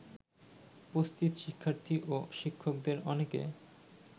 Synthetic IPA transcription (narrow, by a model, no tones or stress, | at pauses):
post̪it̪ʃikʰːaɾt̪ʰiʔoʃikʰːok̚d̪eɾɔnekḛ